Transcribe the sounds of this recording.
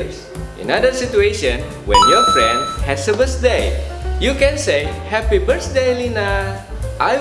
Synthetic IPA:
s | ʔḭ̃nadəsitueʃə̃n | wɛ̰̃njɔfɹɛ̃ndhɛsəbəsdejjukɛ̃nseɪhɛpibəsdelina | ʔa

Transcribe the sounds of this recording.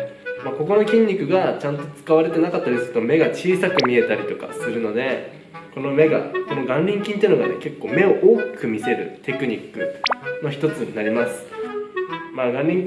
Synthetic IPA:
maːko̞ko̞no̞kʲĩɲ̟ʲːikɯ̟ɡat͡ɕãnt̪o̞t͡sɨ̥kaβaɾe̞t̪e̞nakat̪ːaɾʲisɨ̥ɯ̥t̪ome̞ɡat͡ɕiːsakɯ̟mʲie̞t̪aɾʲit̪o̞ka̰sɨɾɯ̟no̞d̪e̞ | ko̞no̞me̞ɡa̰ko̞no̞ɡãnɾʲĩŋkʲĩnt̪eiɯno̞ɡane̞̰ke̞kːo̞ːme̞o̞ʔoːkʲi̥kɯ̟mʲise̞ɾɯ̟t̪e̞kɯ̟ɲ̟ikːɯ̟̰no̞çi̥t̪o̞t͡sɨɲinaɾʲimasɨ̥ | maɡãnɾʲĩŋ

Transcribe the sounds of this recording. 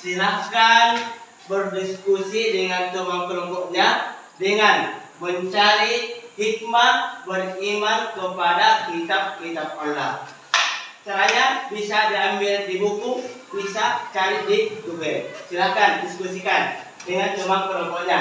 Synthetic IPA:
silahkan | bərdiskusidəŋant̪əmaŋkəlɔŋkɔʔɲa | dəŋanməɲt͡ʃaɾihik̚mabərimankəpadakit̪ap̚kit̪ap̚alːa̰h | kəɾajabisadiambɪldibukubisaʔt͡ʃaɾit̪̚did̪uɡɛsilahkandiskusikan | dəŋant̪əmaŋkəɾɔŋkɔʔɲa

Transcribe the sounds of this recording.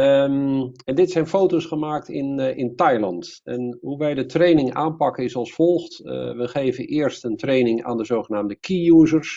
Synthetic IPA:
ɛndɪtsɛjnfowtosχəmaːk̚tɪnɪntɑjlɑ̰ntɛ̰nɦuʋɛjdətrejnɪŋa̰ːnpɑkənɪsɑlˠsfɔlˠχtʋəχejvənʔɪːɹstəntrejnɪŋa̰ːndəzowχənaːmdəkijuːzəɹs

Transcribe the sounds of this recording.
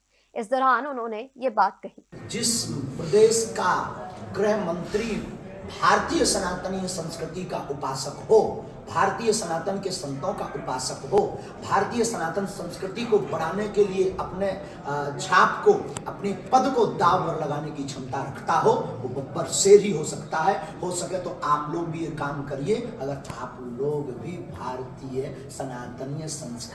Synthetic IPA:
ɪsd̪ɔːɾaːnʊnɦõːnejebaːt̪̚kɐɦiːd͡ʒɪspɾəd̪eːʃkaɡɾeɦmə̃nt̪ɾibʱaːɾt̪iːjəsənaːt̪ənijəsə̃nskɾɪt̪ikaʔʊpaːsəkɦo | bʱaːɾt̪iːjəsənaːt̪ənkesɐ̃nt̪õkaʔʊpaːsəkɦo | bʱaːɾt̪iːjəsənaːt̪ənsə̃nskɾɪt̪ikobəɽ̤aːnekelieʔəpne | t͡ʃʰaːpkoɐpnepəd̪kod̪aːʋpəɾləɡaːnekit͡ʃʰɐ̃nt̪aɾəkʰt̪aɦot̪obəbəɾseɾɦiɦosəkt̪aɦɛhosəket̪oaːploːɡ̚bʱijekaːmkəɾiẽəɡəɾaːploːɡbʱibʱaːɾt̪iːjə | sənaːt̪ənjəsə̃nskɾ

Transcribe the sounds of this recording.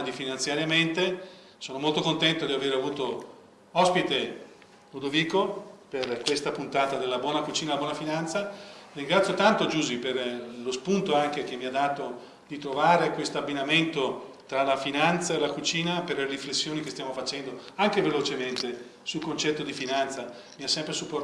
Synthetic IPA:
d̪ifinant̪sjaɾjament̪e | soːnomolt̪okont̪ɛnt̪od̪iaveːɾeavuːt̪o | ɔspit̪e | ud̪oviːkoperkwest̪apunt̪aːt̪ad̪elːabwɔːnakut͡ʃiːnalabwɔnafinant̪sariŋɡɾat̪sjot̪ant̪od͡ʒuːziperlospunt̪oaŋk̟ek̟emːiad̪aːt̪o | d̪̥it̪ɾovaːɾekwest̪oabːinament̪ot̪ɾalafinant̪saelakut͡ʃiːnaperleriflesːjoːnikest̪jamofat͡ʃɛnd̪oaŋk̟evelot͡ʃement̪e | sulkont͡ʃɛt̪ːod̪ifinant̪sa | miasːɛmpɾesupːo

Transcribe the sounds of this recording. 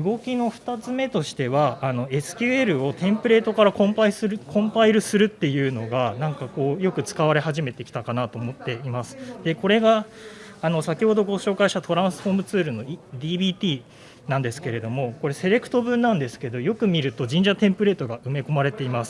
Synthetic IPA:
ɯ̟ɡo̞kʲino̞ɸɯ̟̥t̪at͡sɨme̞t̪o̞ɕi̥t̪e̞βaːno̞e̞sɨ̥kʲɨːe̞ɾɯ̟o̞t̪ẽ̞mpɯ̟ɾe̞ːt̪o̞kaɾakõ̞mpaisɨɯkʰõ̞mpaiɾɯ̟sɨɾɯ̟t̪ːe̞jɯ̟ːno̞ɡanãŋkako̞ːjo̞kɯ̟t͡sɨ̥kaβ̞aɾe̞ɦaʑime̞t̪ekʲi̥t̪akanat̪o̞ːmo̞t̪ːe̞imasɨ̥d̪̥e̞ko̞ɾe̞ɡaː | no̞sakʲiho̞d̪o̞ɡo̞ɕo̞ːkaiɕt̪at̪o̞ɾãɰ̃sɨ̥ɸo̞ːmɯ̟t͡sɨːɾɯ̟no̞d̪ʲiːbiːt̪ʲiː | nãnd̪e̞sɨ̥ke̞ɾe̞d̪o̞mo̞ko̞ɾe̞se̞ɾe̞kɯ̟̥t̪o̞bɯ̟̃nːãnd̪e̞sɨ̥ke̞d̪o̞jo̞kɯ̟mʲiɾɯ̟t̪o̞d͡ʑĩɲ̟d͡ʑat̪ẽ̞mpɯ̟ɾe̞ːt̪o̞ɡaɯ̟me̞ko̞maɾe̞t̪e̞imasɨ̥

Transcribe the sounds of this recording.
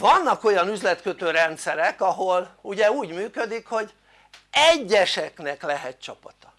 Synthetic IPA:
vɒnːɒko̞jɒnyzlɛt̪køt̪øːɾɛnt̪sɛɾɛkɒɦo̞luɟɛuːɟmyːkød̪ikho̞ɟ | ɛɟːɛʃɛknɛklɛɦɛt̪̚t͡ʃɒpɒt̪ɒ̥

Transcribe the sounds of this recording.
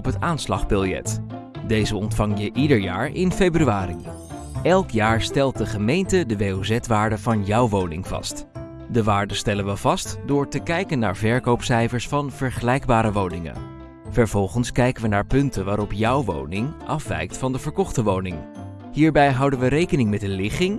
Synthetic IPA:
ɔpɦətaːnslɑχbɪlˠjɛ̰t | dejzəɔntfɑŋjəʔidəɹjaːɹɪnfejbryaːɾḭ | ɛlˠkjaːɹstɛlˠt̚dəχəmejntədəʋejowzɛtʋaːɹdəvɑnjɑwʋownɪŋv̥ɑ̰st | dəʋaːɹdəstɛlənʋəvɑstdʊːɹtəkɛjkənːa̰ːɹvɛɹkowpsɛjvəɹsfɑnv̥əɹχəlɛjɡbaːɾəʋownɪŋə̰n | vəɹv̥ɔlˠχənskɛjkənʋənaːɹpɵntənʋaːɾɔpjɑwʋo̰wnɪŋʔɑfʋɛ̰jk̚tfɑndəvəɹkɔχtəʋownɪŋ | hiːɹbɛjɦɑwdənʋəɾejkənɪŋmɛtdəlɪχɪŋ

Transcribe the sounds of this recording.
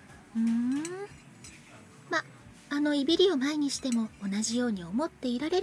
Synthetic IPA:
ɯ | maː | no̞ibʲiɾʲio̞maiɲ̟iɕi̥t̪e̞mo̞onaʑijo̞ːɲ̟io̞mo̞t̪ːe̞iɾaɾe̞ɾ

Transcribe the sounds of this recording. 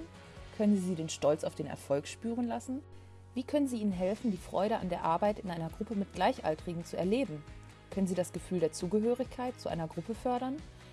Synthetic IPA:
n | kʰœnənziːziːɾeːnʃtɔlt͡saʊfd̥eːnɛ̰ɐfɔlkʃpyːʁənlasn̩ | viːkʰœnənziːʔiːnənɦɛlfn̩diːfʁ̥ɔ̰ʏɾəʔa̰ndeːɐʔaɐbaɪtɪnʔaɪnɐɡʁʊpəmɪt̚ɡ̥laɪçʔa̰ltʁ̥iɡŋ̩t͡suɛ̰ɐleːbm̩ | kʰœnənziːdasɡ̥əfyːldeːɐt͡suːɡəɦøːʁɪçkʰaɪt̚t͡suʔa̰ɪnɐɡʁʊpəfœɐɾɐn

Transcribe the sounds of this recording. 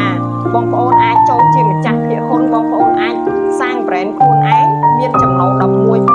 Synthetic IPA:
a | ɓɑŋpə̆ʔoːnʔaːc̚t͡ɕoːnt͡ɕiəmət͡ɕahpʰiəʔpʊnɓɑːŋpə̆ʔoːnʔaːc̚ | saːŋprɛːnkʰuəhʔaɛŋmiənt͡ɕɑmnoːɗɑp̚muəj

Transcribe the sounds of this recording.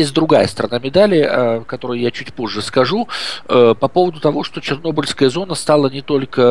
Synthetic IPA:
esʲt̪ʲd̪ɾʊɡajə̰st̪əɾɐnamʲɪd̪alʲɪəkɐt̪o̞ɾɨjjat͡ɕʉtʲpo̞ʐːɨskɐʐu | pɐpo̞vəd̪ʊt̪ɐvo̞ʂt̪o̞t͡ɕɪrno̞bəlʲskəjəzo̞nəst̪alˠənʲɪt̪o̞lʲkə

